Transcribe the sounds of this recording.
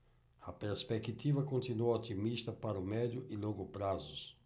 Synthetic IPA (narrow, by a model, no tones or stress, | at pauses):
ɐpeɾspɛkit̪ivɐkõnt̪inuot̪imist̪ɐpaɾʊmɛd̪jʊʔiloɡʊpɾazʊs